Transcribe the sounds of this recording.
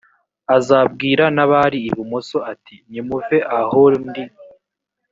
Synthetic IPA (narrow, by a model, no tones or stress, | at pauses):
azab̚ɡiːɾanaβaɾiːβumoso̞atʰiɲimuveʔahoɾndi